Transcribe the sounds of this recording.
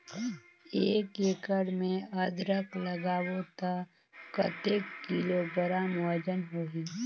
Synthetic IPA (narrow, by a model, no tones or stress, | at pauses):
eːkeːkəɽmẽəd̪ɾəkləɡaːwot̪a | kət̪eːkːilobəɾamɔːd͡ʒənɦoːɦiː